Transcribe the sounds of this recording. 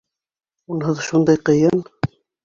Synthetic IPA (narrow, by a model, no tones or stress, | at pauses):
unɦɤðʃund̪ɑjqɤ̆jɤn